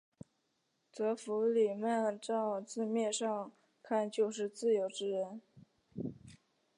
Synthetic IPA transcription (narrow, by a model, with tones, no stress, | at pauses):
t͡sɤ˧˥fu˧˥li˨˩mɛ˥˧nʈ͡ʂɑ˥˧ʊt͡sɹ̩˥˧mjɛ˥˧ʂɑ˥˧ŋ | kʰa˥˧nt͡ɕjo˥˧ʊʂ̬ɻ̩˥˧t͡sɹ̩˥˩jo˧˥ʊʈ͡ʂɻ̩˥˩ɻə˧˥n